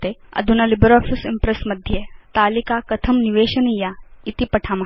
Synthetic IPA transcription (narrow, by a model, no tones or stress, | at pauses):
t̪eɐ̰d̪ʱunɐlibɾɔːfisimpɾesmɐd̪ʱjet̪aːlikakɐt̪ʰɐmniʋeːɕɐnijait̪ipɐʈʰama